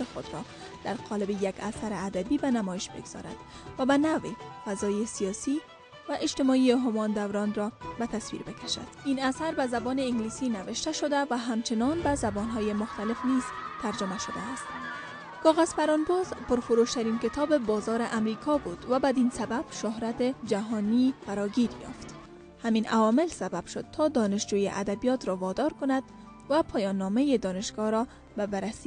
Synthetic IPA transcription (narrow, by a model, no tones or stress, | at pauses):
ɪxod̪ɾɔ | d̪̥aɾqʰɒlɪbejaɡasaɾɪad̪abibanamɒɪʃbḛɡz̥ɒ̰ɾa̰d̪̥ | vabanawefazɒjesijɒsi | vaʔɪd͡ʒt̪ɪmɔieɦʊmɒnd̪awɾɒnɾɒbat̪aswḭɾbekaʃa̰d̪̥inasaɾbazabɔnɪɪŋɡlisinavɪʃt̪aʃod̪avaɦamt͡ʃɪnɒnbazabɔnɦɒjemʊxt̪alɪfniz̥t̪aɾd͡ʒɪmaʃʊd̪a̰ːst̪ | kɒɣaz̥faɾɒnbɔzpʊɾfʊɾoʃt̪aɾinkɪt̪ʰɒbɪbɒzɒɾɪʔamɾikʰɒbud̪̥vabad̪insabab̥ʃʊɦɾat̪ed͡ʒaɦɔnifaɾɒɡiɾjɒ̰ft̪ | hamina̰vɒmɪlsabab̥ʃʊd̪̥̚t̪ʰɒd̪ɒnɪʃd͡ʒujḛʔa̰d̪abijɒt̪ɾɔvɒd̪ɒɾkʊnad̪̥ | vapʰɒjɒnːɒmejed̪ɒnɪʃɡ̥ɒɾɔ | babaɾasi